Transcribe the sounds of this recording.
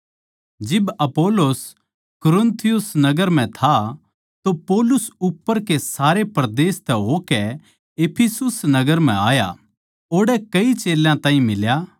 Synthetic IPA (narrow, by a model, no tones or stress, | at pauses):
d͡ʒɪbɐpoːlos | kʊɾʊ̃nt̪ʰɪjʊsnɐɡəɾm̤ɛ̃t̪ʰa | t̪opɔːlʊsʊpːəɾkesaːɾepɾd̪eːst̪ʰɛɦokɛ | epʰisʊsnɐɡəɾm̤ɛ̰̃aːja̰ | oːɽɛkɐit͡ʃeːljãt̪ãːɦĩmɪlja